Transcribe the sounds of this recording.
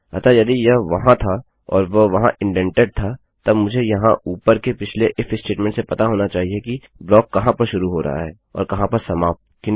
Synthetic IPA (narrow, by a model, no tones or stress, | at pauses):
ɐ̰t̪ajɐd̪ijɐʋɐɦãt̪ʰa | ɔ̰ːɾʋoʋɐɦãʔɪ̃ɳʈɛ̃ɳʈeɖ̚t̪ʰa | t̪ɐbmʊd͡ʒʱejɐɦãʔuːpəɾkepɪt͡ʃʰleʔɪfɪsʈeːʈmɛ̃ɳʈsepɐt̪aɦoːnat͡ʃaːɦieki | blɔːkːɐɦãpɐɾʃʊɾuɦoɾɐ̰ɦa̰ɦɛːɔ̰ːɾkɐɦãpɐɾsɐmaːf | kɪ